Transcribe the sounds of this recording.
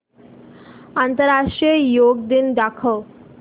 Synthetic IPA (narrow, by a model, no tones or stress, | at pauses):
ant̪əɾaʂʈɾiejoɡ̚d̪ind̪akʰəw